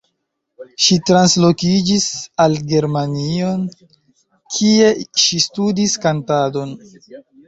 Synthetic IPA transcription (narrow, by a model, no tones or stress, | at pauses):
ʃitɾanslo̞kid͡ʒisalɡe̞ɾmanio̞n | kʰie̞ʃistudiskantado̞n